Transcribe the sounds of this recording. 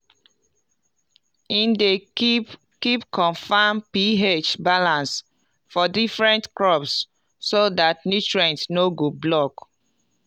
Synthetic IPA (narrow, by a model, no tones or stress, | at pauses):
ĩnde | kipkʰɔ̃nfampiɦet͡ʃbalãns | fɔdifɹɛ̃ntkɹɔpsː | odat̚nutɹɛ̃ntnoɡoblɔk